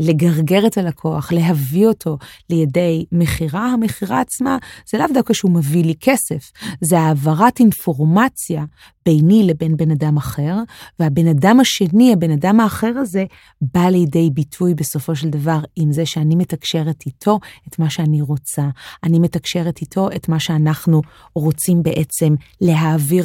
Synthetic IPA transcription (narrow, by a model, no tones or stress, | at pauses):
le̞ɡaʁɡe̞ʁetalakʰo̞aχle̞ɦavio̞tʰo̞lejede̞jme̞χiʁahameχiʁa̰ːt͡smaz̥elavdakaʃeumevilikʰe̞se̞fzeaːvaʁatinfo̞ʁmat͡sja | b̥e̞jnile̞be̞nbe̞nadamaχe̞ʁveabenadamaʃe̞niabe̞nadamaːχe̞ʁaze̞ | balejde̞jbitʰujbe̞so̞fo̞ʃ̬eld̪avaʁimzeʃeanime̞takʃe̞ʁetitʰo̞etmaʃeaniʁo̞t͡saanimetakʃe̞ʁetitʰo̞ʔetmaʃe̞anaχnu | ʁo̞t͡simbe̞ʔe̞t͡se̞mle̞ɦaːviʁ